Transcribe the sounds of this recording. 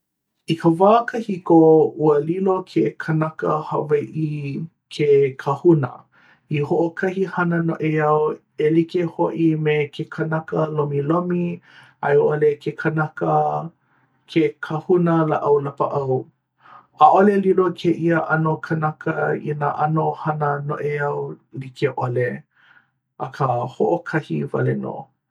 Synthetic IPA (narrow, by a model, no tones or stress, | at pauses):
ikʰəvaːkəhikouəlilokʰekʰənɐkəhɐveʔi | kʰekʰɐhunə̰ | ihoʔokʰɐhihɐnənoʔeɐw | elikehoʔimekʰekʰɐnɐkəlomilomi | a̰joʔolekʰekʰənakə | kʰekʰɐhunəlaʔɐwlɐpəʔɐw | aʔolelilokʰeʔiəʔɐnokʰɐnɐkʰəḭnaʔɐnohɐnəno̰ʔeɐwlikʰeʔole | ʔɐkʰəhoʔokʰɐhivɐ̰leno̰ː